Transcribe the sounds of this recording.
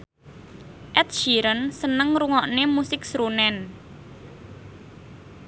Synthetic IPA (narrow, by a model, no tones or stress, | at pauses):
ʔɛt̪̚ʃiɾənsənəŋɾuŋɔʔnemusɪksɾunɛn